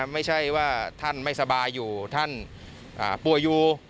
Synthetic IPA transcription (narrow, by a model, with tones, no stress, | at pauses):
ma˥˩jt͡ɕʰa˥˩jwaː˥˩t̪ʰa˥˩nma˥˩jsa˧baː˧jːuː˨˩t̪ʰa˥˩n | ʔaː˨˩pu˨˩əjːuː˨˩